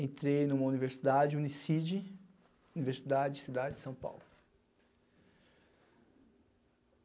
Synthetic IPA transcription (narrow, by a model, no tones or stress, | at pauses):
ẽnt̪ɾejnũmɐuniveɾsid̪ad͡ʒd͡ʒunisid͡ʒɪ | univeɾsid̪ad͡ʒɪd͡ʒɪsid̪ad͡ʒɪd͡ʒɪsɐ̃w̃pa̰wlʊ